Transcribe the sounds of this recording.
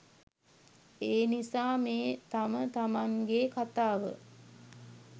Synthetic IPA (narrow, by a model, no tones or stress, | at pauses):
eːnisaːmeːt̪amət̪amaŋɡekat̪aːʋə̰